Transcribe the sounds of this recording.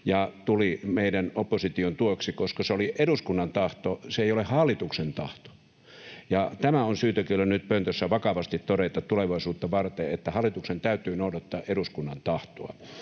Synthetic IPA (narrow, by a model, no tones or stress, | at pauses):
jɑt̪ulimeidænopːosit̪iont̪uoksikoskɑseoliʔeɾuskunːɑnt̪ɑht̪oseeˑijolehɑlːˑit̪uksent̪ɑht̪o̥ | jɑt̪æmæonsyːt̪økilːænyt̪pønt̪øsːæʋɑkɑʋɑst̪it̪t̪oɾet̪ɑtt̪uleʋɑisuːt̪ːɑʋɑrt̪eet̪ːæhɑlːˑit̪uksent̪æyt̪ˑyːnoudɑt̪ːɑːʔeɾuskunːɑnt̪ɑht̪oɑ̰